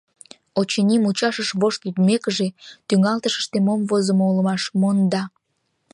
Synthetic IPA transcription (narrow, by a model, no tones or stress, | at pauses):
ot͡ɕenʲimut͡ɕɑʃəʃβoʃt̪yd̪mekəʒet̪yŋɑlt̪əʃə̥ʃt̪emomvozəmouləmɑʃmond̪ɑ